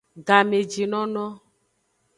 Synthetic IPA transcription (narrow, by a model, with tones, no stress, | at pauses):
ɡa˨me˨d͡ʒi˨nɔ̃˦nɔ̃˦